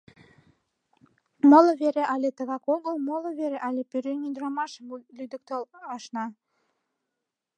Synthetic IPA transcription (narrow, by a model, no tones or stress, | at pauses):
molə̆βeɾeʔɑlʲet̪ə̆βɑkoɣəlmolə̆βeɾeʔɑlʲepøɾønyd̪ɾɑmɑʃəmlyd̪ə̆k̚t̪olɑʃnɑ